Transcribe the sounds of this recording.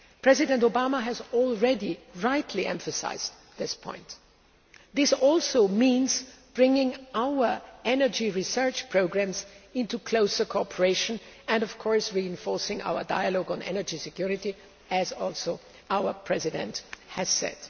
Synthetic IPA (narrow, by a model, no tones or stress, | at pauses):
pʰɹ̥ɛzɪdɛ̃ntoʊbaməɦɨzɔlˠɹɛdiɹaɪtʰliʔɛ̰̃ɱfəsa̰ɪz̥ | ðɪspʰɔ̰̃ɪ̃nt | ðɪsɔlˠsoʊmĩnzb̥ɹɪ̃ŋɪ̃ŋaʊə˞ɛnə˞d͡ʒiɹisɜ˞t͡ʃpʰɹ̥oʊɡɹæ̃mzɪ̃ntukʰl̥oʊsə˞kʰɔpʰə˞eɪʃə̃nɨ̃ndɔv̥kʰɔɹsɹiɪ̃ɱfɔɹsɪ̃ŋa̰ʊə̰˞daɪəlɔɡə̃nɛ̰nə˞d͡ʒisɪkʰj̥ʊɹɪɾi | ɨzɔlˠsoʊ | aʊə˞pʰɹ̥ɛzɪdɨ̰̃nthɨz̥sɛ̰d̥